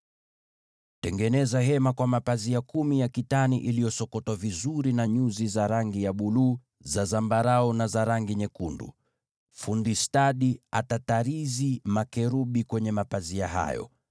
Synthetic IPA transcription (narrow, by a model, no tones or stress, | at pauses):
tɛŋɡɛnɛzaɦɛmakwamapaziakumijakitaniʔilijɔsɔkɔtwavizuɾinaɲuzizaɾaŋɡijaɓuluː | zazambaɾaɔnazaɾaŋɡiɲɛkundṵ | fundistaɗia̰tataɾizimakɛɾuɓikwɛɲɛmapaziaɦa̰jɔ̰